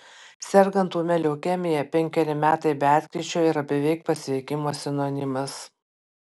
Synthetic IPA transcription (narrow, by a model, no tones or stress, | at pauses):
sʲɛɾɡɐnt̪uːmʲɛlʲɛːkʲɛmʲɪjɛpʲɛŋʲkʲɛɾʲɪmʲæːt̪ɐɪbʲæːt̪ʲkʲɾʲiɛt͡ʃʲoːɪɾɐbʲɛʋʲɛɪk̚pɐsʲʋʲɛɪkʲɪmoːsʲɛnoːnʲɪmɐs